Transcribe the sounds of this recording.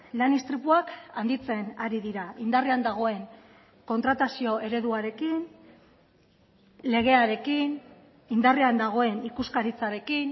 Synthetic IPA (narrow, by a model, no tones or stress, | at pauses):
lanist̪ɾipuakand̪it͡se̞naɾiðiɾaind̪ariand̪aɣ̞o̞e̞ŋ | ko̞nt̪ɾat̪asio̞e̞ɾe̞ðuaɾe̞kin | le̞ɣ̞e̞aɾe̞kin | ind̪ariand̪aɣ̞o̞e̞nikuskaɾit͡saɾe̞kin